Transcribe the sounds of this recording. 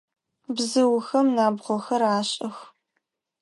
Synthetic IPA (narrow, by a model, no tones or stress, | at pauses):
bzɨwxɐmnaːbʁʷɔxɐraːɕʼɐx